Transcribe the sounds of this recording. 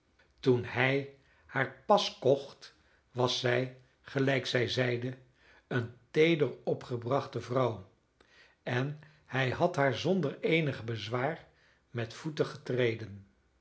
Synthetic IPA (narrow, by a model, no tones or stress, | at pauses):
tunhɛj | haːɹpɑskɔχt | ʋɑsɛj | χəlɛjksɛjzɛjdə | əntejdəɹɔpχəbrɑχtəvrɑw | ɛn | hɛjɦɑtɦaːɹzɔndəɹejnəχbəzʋaːɹ | mɛtfutəχətrejdən